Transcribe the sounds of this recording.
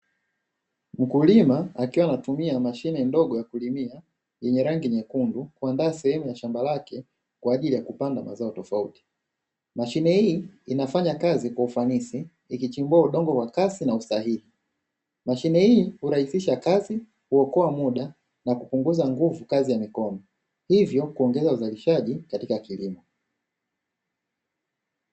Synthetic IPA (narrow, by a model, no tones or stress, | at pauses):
m̩kulimaːkiwanatumiamaʃinɛndɔɠɔjakulimia | jɛɲɛɾaŋɡiɲɛkundukuandaːsɛhɛmujaʃambalakɛ | kwaːʄilijakupandamʔa̰zaɔtɔfauti̥ | maʃinɛhiːnafaɲakazikwaufanisiː | kit͡ʃimbuauɗɔŋɡɔkwakasinausaɦili | maʃinɛhiːhuɾahisiʃakazi | kuɔkɔamuɗa | nakupuŋɡuzaŋɡuvukazijamikɔnɔ | hivjɔkuɔŋɡɛzauzaliʃaʄikatikakilimɔ